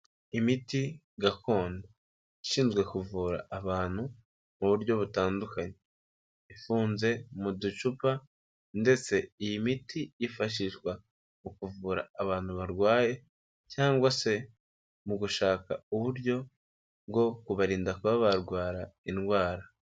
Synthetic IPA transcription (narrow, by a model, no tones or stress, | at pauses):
imiti | ɡako̞ːndo | iʃiːnzɡwe̞kuvuːɾa̰ːβaːn̥hu | muβuɾɟo̞βutaːndukaɲe̞ | ifuːnze̞mudut͡ʃupa | nde̞t͡se̞ijimitʰijifaʃ̬iʃɡwa | ukuvuːɾa̰ːβaːn̥huβaɾɡwaːje̞ | caːŋɡwase̞ | muɡuʃaːka̰uβuɾɟo̞ | bɡo̞kuβaɾiːndakuβaβaɾɡwaːɾainɡwaːɾa